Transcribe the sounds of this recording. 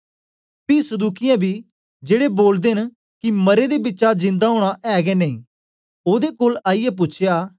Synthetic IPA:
piːsəd̪uːkɪjãbʱiː | d͡ʒeːɽeboːld̪eːn | kiməɾed̪ebɪtːʃad͡ʒɪ̃nd̪aɦoːɽ̃aʔɛːɡɛneĩː | oːd̪ekoːlaːɪjɛp̬ʊtːt͡ʃʰjaː

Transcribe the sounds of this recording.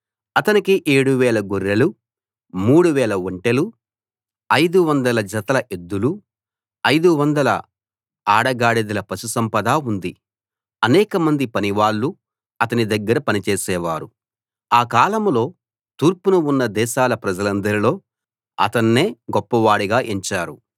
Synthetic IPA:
ɐt̪ɐnikiʔeːɽuʋɛːɭɐɡuɾːɐlu | muːɽuʋɛːɭɐʋoɳʈelu | ɐjd̪uʋɐnd̪ɐlɐd͡ʒɐt̪ɐlɐʔed̪ːulu | ɐjd̪uʋɐnd̪ɐlɐ̰ | aːɽɐɡaːɽid̪ɐlɐpɐsusɐmpɐd̪aːund̪i | ɐnɛːkɐmɐnd̪ipɐniʋaːɭːu | ɐt̪ɐnid̪ɐɡːɐɾɐpɐnit͡ʃeːsɛːʋaːɾu | aːkaːlɐmlo̞ː | t̪uːɾpunuunːɐd̪ɛːʃaːlɐpɾɐd͡ʒɐlɐnd̪ɐɾilo̞ː | ɐ̰t̪ɐnːe̞ːɡɔpːɐʋaːɽiɡaːʔiɲt͡ʃaːɾu

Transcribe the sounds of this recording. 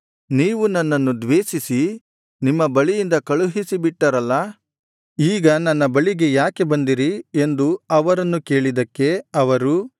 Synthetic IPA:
niːʋunɐnːɐnːud̪ʋeːʃisi | nimːɐbɐɭijind̪ɐkɐɭuɦisibiʈːɐɾɐlːɐ | iːɡɐnɐnːɐbɐɭiɡe̞jaːke̞bɐnd̪iɾie̞nd̪uɐʋɐɾɐnːuke̞ːɭid̪ɐkːe̞ɐʋɐɾu

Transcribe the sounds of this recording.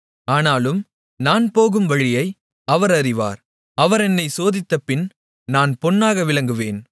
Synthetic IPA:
aːnaːlɯm | naːnpoːɣɯmʋɐɻɪjɐɪ | ɐʋɐɾɐɾɪʋa̰ːɾ | ɐʋɐɾɛnːɐɪsoːðɪt̪ːɐpːɪn | naːnpɔnːaːɣɐʋɪlɐŋɡɯʋeːn

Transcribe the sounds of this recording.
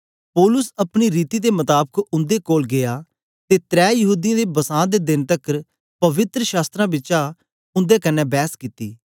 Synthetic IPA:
poːlʊsəpɽ̃iɾiːt̪iːd̪eːmət̪aːbəkʊ̃nd̪eːkoːlɡɪjaː | t̪eːt̪ɾɛːjəɦuːd̪ɪijãːd̪eːbəsãːd̪eːd̪ɪnt̪əkəɾ | pəʋɪt̪ɾəʃaːst̪ɾãːbɪt͡ʃaː | ʊ̃nd̪eːkənːɛːbɛːskit̪ḭː

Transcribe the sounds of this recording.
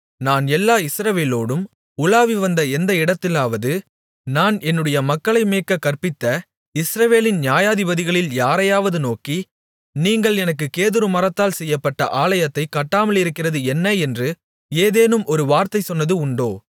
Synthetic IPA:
naːnɛlːaːɪsɾɐʋeːloːɽɯm | ʊlaːʋiʋɐnd̪ɐɛnd̪ɐɪɽɐt̪ːɪlaːʋɐðɯ | naːnɛnːɯɽɐjɐmɐkːɐɭɐɪmeːkːɐkɐrpɪt̪ːɐ | ɪsɾɐʋeːlɪnnjaːjaːðɪbɐðɪɣɐɭɪljaːɾɐjaːʋɐðɯnoːki | niːŋɡɐɭɛnɐkːɯkeːðɯɾɯmɐrɐt̪ːaːlsɛjːɐpːɐʈːɐ̰ʔaːlɐjɐt̪ːɐɪkɐʈːaːmɐɭɪɾɯkːɪrɐðɯɛnːɐɛndrɯ | eːðeːnɯmɔɾɯʋaːɾt̪ɐɪsɔnːɐðɯʊɳɖoː

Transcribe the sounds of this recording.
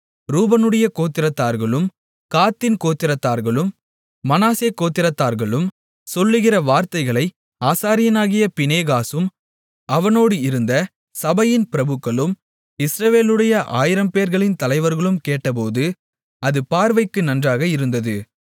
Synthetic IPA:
ɾuːbɐnɯɽɐjɐkoːt̪ːɪɾɐt̪ːaːɾɣɐɭɯm | kaːt̪ːɪnkoːt̪ːɪɾɐt̪ːaːɾɣɐɭɯmː | ɐnaːseːkːoːt̪ːɪɾɐt̪ːaːɾɣɐɭɯm | sɔlːɯɣɪrɐʋaːɾt̪ɐɪɣɐɭɐɪ | aːsaːɾɪjɐnaːɣɪjɐpɪneːɣaːsɯm | ʔɐʋɐnoːɽɯɪɾɯnd̪ɐ | sɐbɐjɪnpɪɾɐbɯkːɐɭɯm | ɪsɾɐʋeːlɯɽɐjɐʔaːjɪɾɐmpeːɾɣɐɭɪnt̪ɐlɐɪʋɐɾɣɐɭɯmkeːʈːɐp̬oːðɯ | ɐðɯpaːɾʋɐɪkːɯnɐndraːɣɐɪɾɯnd̪ɐðɯ

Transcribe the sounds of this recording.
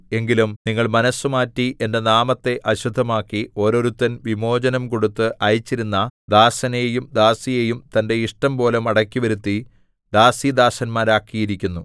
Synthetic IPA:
e̞ŋɡilumniŋːɐɭmɐnɐsːumaːtːiʔe̞nde̞naːmɐt̪ːe̞ʔɐɕud̪ʱːɐmaːkːio̞ːɾo̞ɾut̪ːɐnʋimo̞ːd͡ʑɐnɐmko̞ɽut̪ːɨʔɐjit͡ɕːiɾunːɐd̪aːsɐnejumd̪aːsije̞jumt̪ɐnde̞iʂʈɐmpo̞ːlemɐɽɐkːiʋɐɾut̪ːi | d̪aːsid̪aːsɐnmaːɾaːkːijiɾikʲːunːu

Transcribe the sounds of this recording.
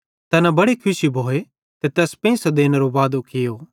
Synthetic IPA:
t̪ɛːnabɐɽekʰʊʃibʱoːe | t̪et̪ɛːspɐ̃ĩsɐd̪eːnɾobaːd̪okʰɪjoː

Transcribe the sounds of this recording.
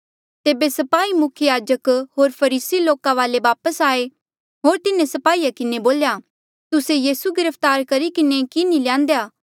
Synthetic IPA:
t̪eːbesɐpaːimʊkʰjəjaːd͡ʒəkɦoːɾpʰɐɾiːsiloːkãʋaːleʋaːpəsaːe | ɦoːɾt̪ɪnẽsɐpaːijakɪneboːlja | t̪ʊsejiːsuɡɪɾəfʰt̪aːɾkɐɾikɪnekinĩljãːnd̪ejaː

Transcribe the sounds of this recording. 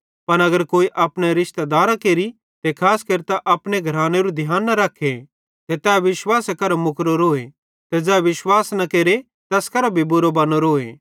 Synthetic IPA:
pɐñɐɡəɾkoːiʔɐpɽ̃eɾɪʃt̪ed̪aːɾakeːɾi | t̪ekʰaːskɐɾt̪aʔɐpɽeɡʱɐɾãːneɾud̪ʱjaːnːɐɾɐkʰːe | t̪et̪ɛːʋɪʃwaːsekɐɾamʊkɾoɾoːe | t̪ed͡ʒɛːʋɪʃwaːsnɐkeːɾe | t̪ɐskɐɾabʱibʊɾobɐnoɾoːḛ

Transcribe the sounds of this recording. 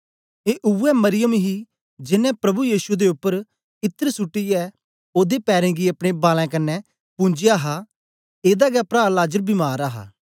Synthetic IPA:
eːʔʊɛmɐɾɪjəmɦi | d͡ʒɪnɛ̃pɾɐbujiːsud̪eʊpːəɾ | ɪt̪ːəɾsʊʈːijɛː | oːd̪epɛːɾẽːɡiɐpɽ̃ebaːlɛ̃ːkɐnːɛ | pʊ̃ːɲd͡ʒɪjaːɦa | eːd̪aɡɛpɾaːɾlaːd͡ʒəɾbimaːɾaɦa̰ː

